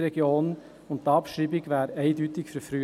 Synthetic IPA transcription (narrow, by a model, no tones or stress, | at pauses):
ɾɛɡjoːn | ʊntd̪ɑpʃɾiːbɪɡʋæːɾeɪdyːt̪ɪɡfyɾfɾyː